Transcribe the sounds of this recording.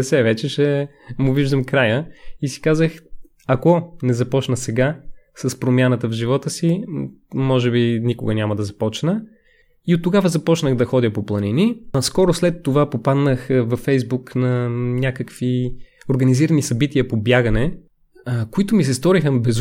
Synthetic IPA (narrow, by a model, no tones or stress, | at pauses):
sɛvɛt͡ʃɛʃɛ | mʊviʒd̪əmkɾajəisi̥kazəx | ɐkɔnɛzɐpɔt͡ʃnəsɛɡasɐspɾomʲjanət̪əvʒivɔt̪əsi | mɔʒɛbinikʊɡənʲaməd̪ɐzɐpɔt͡ʃnə | iot̪ːoɡavəzɐpɔt͡ʃnəɣd̪ɐxɔd̪ʲəpoplˠɐniniskɔɾʊslɛt̪ːovapopad̪nəxvɐfɛjzbuknɐnʲakəkvioɾɡɐniziɾənisɐbit̪iəpobjaɡənɛ | koit̪ʊmis̬ɛst̪ɔɾixəbɛz